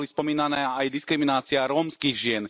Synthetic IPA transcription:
lispɔmiːnanɛːajd̪iskɾiminaːt͡siɪaɾɔːmskiːɣʒɪɛn

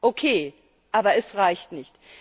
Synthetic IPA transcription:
ʔokʰeː | ʔaːbɐɛsʁaɪçtnɪçt

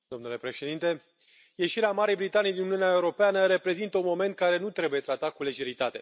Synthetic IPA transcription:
d̪o̞mnule̞pɾe̞ʃe̞d̪int̪e̞ | je̞ʃiɾeamaɾijbɾit̪anijd̪inuniuneaeuɾo̞peanəɾe̞pɾe̞zint̪əunmo̞me̞nt̪̚kaɾe̞nut̪ɾe̞buje̞t̪ɾat̪akule̞ʒe̞ɾit̪at̪e̞

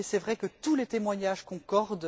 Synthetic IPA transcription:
sɛvʁɛkət̪ulet̪emwaɲaʒkɔ̃kɔʁd̪

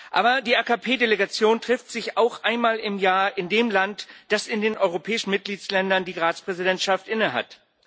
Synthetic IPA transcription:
ʔa̰ːbɐdiːʔaːkapʰeːdeleɡat͡sjoːntʁ̥ɪftz̥ɪçaʊxʔaɪnmaːlɪmjaːɐʔɪndeːmlantd̥asɪndeːnɔʏʁopʰɛːɪʃn̩mɪt̚ɡ̥liːt͡slɛndɐndiːʁaːt͡spʁ̥ɛzidɛntʃaftʔɪnəɦa̰t

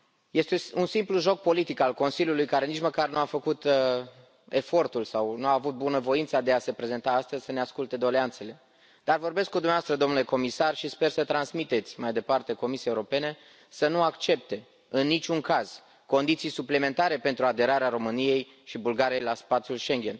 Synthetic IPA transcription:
je̞st̪eunsimpluʒo̞k̚po̞lit̪ikalko̞nsilʲjulujkaɾe̞nit͡ʃməkarnuafəkut̪ | e̞fo̞rt̪ulsawnuaːvut̪̚bunəvo̞int̪sad̪e̞ase̞pɾe̞ze̞nt̪aast̪əzʲsəneaskult̪e̞d̪o̞le̞ant̪se̞le̞ | d̪̥arvo̞rbe̞skːud̪umnavast̪ɾəd̪omnule̞ko̞misarʃispe̞rsət̪ɾansmit̪e̞t̪sʲmajd̪e̞part̪e̞ko̞misieuɾope̞ne̞ | sənuakt͡ʃe̞p̚t̪e̞ | ɨnːit͡ʃʲuŋkaz̥ | ko̞nd̪it̪sijsupleme̞nt̪aɾe̞pe̞nt̪ɾuad̪e̞ɾaɾeaɾo̞mɨnije̞j | ʃibulɡaɾije̞jlaspat̪sjulʃe̞ŋɡʲe̞n

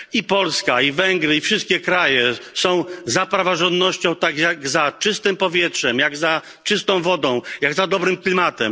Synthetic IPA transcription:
ipɔlskaivɛŋɡɾɘifʂɨst̪̚kʲɛkɾajɛsɔ̃w̃zapɾavaʐɔ̃nd̪nɔɕt͡ɕɔ̃w̃t̪aɡjaɡzat͡ʂɘst̪ɘmpɔvʲjɛtʂɛmjaɡza | t͡ʂɘst̪ɔ̃w̃vɔd̪ɔ̃w̃jaɡzad̪ɔbɾɘmklʲimat̪ɛm

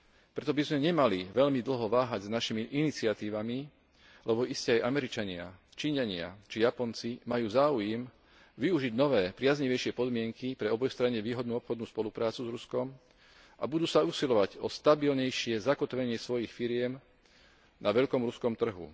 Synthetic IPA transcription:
pɾɛt̪ɔbizmɛɲɛmaliʋɛʎmid̪l̩ɦɔʋaːɦaɟznaʃimiʔinit͡sɪat̪iːʋami | lɛbɔʔiscɛajʔamɛɾit͡ʃaɲɪa̰ | t͡ʃiːɲaɲɪa̰t͡ʃijapɔnt͡simajuːzaːujɛm | ʋiuʒiɟnɔʋɛːpɾɪazɲiʋɛjʃɪɛpɔd̪mɪɛŋkipɾɛɔbɔjst̪ɾaɲɛʋiːɦɔd̪nuːɔpxɔd̪nuːspɔlupɾaːt͡suzɾuskɔm | ʔabud̪uːsausilɔʋaɟɔst̪abilɲɛjʃɪɛzakɔt̪ʋɛɲɪɛsʋɔjixfiɾɪɛm | nʔaʋɛʎkɔmɾuskɔmt̪r̩ɦṵ

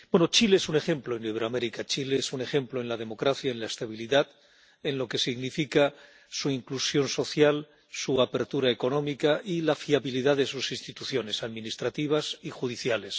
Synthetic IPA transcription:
bwenot͡ʃileesune̞xẽ̞mploeniβeɾoame̞ɾikat͡ʃileesune̞xe̞mploe̞nlað̞e̞mo̞kɾaθjaenlaest̪aβ̞iliðað | e̞nlo̞ke̞siɣnifika | suiŋklusjo̞nso̞θjal | suapeɾt̪uɾaeko̞nõ̞mikaʔilafiaβiliðaðesusinst̪it̪uθjo̞ne̞saðmĩnist̪ɾat̪iβ̞asixuðiθjale̞s

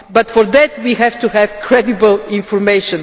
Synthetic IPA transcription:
bat̪fɔɾðɛt̪wiɦɛvt̪uhɛvkʰɾɛd̪ibəlˠɪ̃nfɔɾmeɪʃɔ̃n

